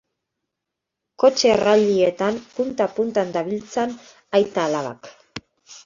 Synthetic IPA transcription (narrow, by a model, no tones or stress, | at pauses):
ko̞t͡ʃeraʎiet̪ampunt̪apunt̪and̪aβilt͡san | ajt̪aːlaβa̰k